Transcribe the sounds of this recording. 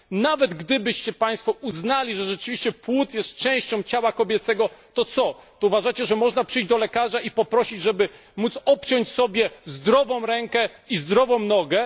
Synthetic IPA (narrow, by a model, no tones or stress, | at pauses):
navɛd̪ɡd̪ɘbɘɕt͡ɕɛpaj̃st̪fɔuznalʲiʐɛʐɛt͡ʂɘvʲiɕt͡ɕɛpwut̪jɛst̪t͡ʂɛ̃w̃ɕt͡ɕɔ̃w̃t͡ɕawakɔbʲjɛt̪sɛɡɔt̪ɔt̪sɔt̪ɔuvaʐat͡ɕɛʐɛmɔʐnapʂɘjd͡ʑd̪ɔlɛkaʐaipɔpɾɔɕid͡ʑʐɛbɘ | mut̪sɔpt͡ɕɔɲt͡ɕsɔbʲjɛzd̪ɾɔvɔ̃w̃ɾɛŋkɛ | izd̪ɾɔvɔ̃w̃nɔɡɛ